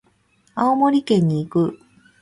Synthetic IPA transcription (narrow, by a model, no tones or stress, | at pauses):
aomo̞ɾʲikẽ̞ɲ̟ːiːkɯ̟